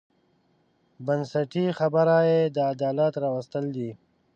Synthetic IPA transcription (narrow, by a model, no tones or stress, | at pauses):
bənsɐʈixabəɾaːjed̪əːd̪aːlat̪ɾaːwɐst̪əld̪i